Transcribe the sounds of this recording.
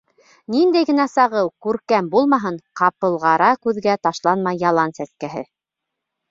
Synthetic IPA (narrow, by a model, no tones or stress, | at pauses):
nind̪æjɡɘ̆næsɑʁɤwkʉɾkæmbulˠmɑɦɤɴqɑpɤ̆lˠʁɑɾɑkʉðɡæt̪ɑʃlˠɑnmɑjːɑlˠɑnsæskæɦɘ̰